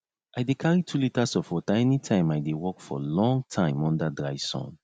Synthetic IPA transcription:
ʔajdekʰaɹitʰulitasɔfɔtaɛnitʰãɪ̃majdewɔkfɔ̰lɔ̃ŋtʰãɪ̃mɔ̃ndadɹaɪsɔ̰̃n

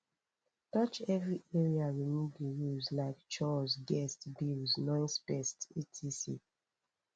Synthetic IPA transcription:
tɔt͡ʃɛvɹiʔɛɹiaɹimibijuzlaɪkt͡ʃɔzɡɛstbilznɔ̃ɪ̃nspɛstetʰisḭ

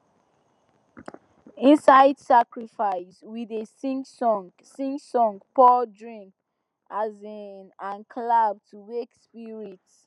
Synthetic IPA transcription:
ĩnsaɪd̥sakɹifaɪswiðesĩŋsɔ̃ŋ | sĩŋsɔ̃ŋɡpʰɔdɹĩŋk | azinãnkʰlab̚tʰuwekspiɹits

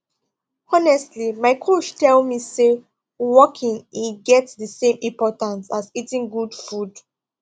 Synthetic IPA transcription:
ɔnɛstlimaɪkʰoʃtɛlmise | wɔkʰĩŋiɡɛtsðəsẽmĩmpɔtãnsazitĩŋɡud̥fud

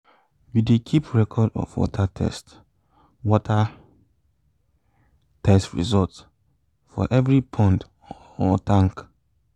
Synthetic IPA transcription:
judekʰipʰɹɛkʰɔdɔ̰fwɔ̰tʰatʰɛ̰st | wɔtʰa | tʰɛstɹḭzɔlts | fɔ̰ʔɛvɹipʰɔ̃nt | ɔtʰãŋk

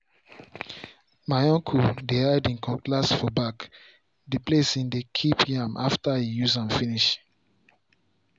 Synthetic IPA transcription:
maɪɔ̃ŋkʰudehaɪdĩnkɔ̃klasfɔbak | diplesĩndekʰipjãmʔaftaijuzãnfiniʃ

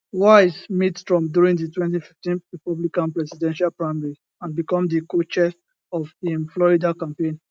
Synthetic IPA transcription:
wasmitstɹɔ̃mdjuɹĩŋditwɛ̃nt̬ifi̥ftĩnɹipɔblikãnpɹɛsidɛ̃nʃalpɹaɪmɛɹi | ãnbikɔ̃mdikot͡ʃɛs | ɔvĩnflɔɹidakãmpẽn

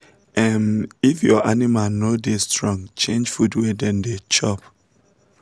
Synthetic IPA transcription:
ɛmifjɔʔanimanodestɹɔ̃ŋt͡ʃẽnd͡ʒfudwedɛ̃ndet͡ʃɔp

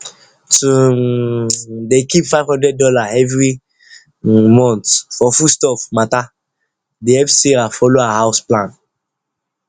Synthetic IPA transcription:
tu | dekipfaɪvhɔ̃ndɹɛd̚dɔlaɛvɹi | mɔ̃ntfɔfustɔfmata | deɛpsiɾafɔloaaɦaʊsplãn

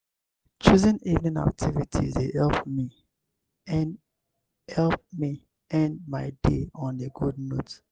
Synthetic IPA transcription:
t͡ʃuzɛ̃nivnĩna̰k̚tʰivitʰḭzdehɛlpmi | hɛlp̚mi | ɛ̃ndmaɪdeɔ̃neɡudno̰t

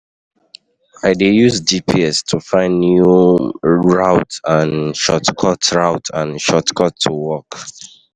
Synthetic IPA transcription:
aɪdejuzdipʰiɛstʰufãɪ̃ndju | ɹaʊtãnʃɔtkʰɔtʰɹaʊtʰãnʃɔtkʰɔtʰːuwɔk

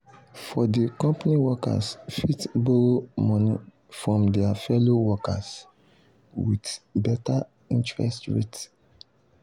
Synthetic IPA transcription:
fɔdikɔ̃mpaniwɔka̰sfitboɹomɔ̃nḭ | fɹɔ̃mdɛafɛlowɔkas | widbɛta | ĩntɹɛ̰stɹḛt

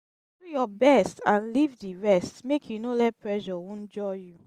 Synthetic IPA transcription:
dujɔbɛstãnlivdiɹɛstmekʰjunolɛt̚pʰɹɛʒɔwɔ̃nd͡ʒɔju

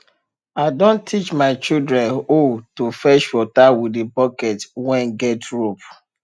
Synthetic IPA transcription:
aɪdõntʰːit͡ʃmaɪt͡ʃildɹɛ̃notufɛʃfɔtawidebɔkɛtwɛ̃nɡɛtɹop

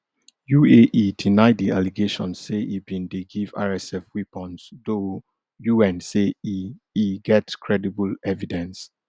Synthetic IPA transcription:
jueʔidinaɪdialiɡeʃɔ̃nsːeʔibĩndeɡiva̰ɹɛsɛfwipɔ̃nsdo | juɛ̃nseiiɡɛtkʰɹɛdibəlɛvidɛ̃ns

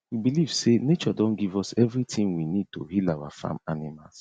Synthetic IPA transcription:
wibiliv̥senet͡ʃɔdɔ̃nɡivɔsɛvɾitʰɪ̃ŋwinid̚to̰ɦilawa̰fa̰manɪmas

